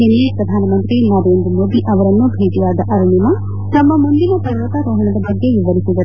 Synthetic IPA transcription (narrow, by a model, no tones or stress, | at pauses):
ɦinepɾɐd̪ʱaːnɐmɐnt̪ɾinaːɾeːnd̪ɾmoːd̪iʔɐʋɐɾɐnːubʱeːd͡ʒiʋaːd̪ɐʔɐɾunimɐ | t̪ɐmːɐmund̪inɐpɐɾɾɐt̪ɐɾoːɦɐɳɐd̪ɐbɐɡːe̞ʋiʋɐɾisid̪ɐ